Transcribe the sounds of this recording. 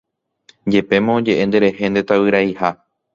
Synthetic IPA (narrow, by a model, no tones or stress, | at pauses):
d͡ʒe̞pe̞mõõd͡ʒe̞ʔẽ̞nd̪e̞ɾe̞he̞nd̪e̞t̪awɨɾaiha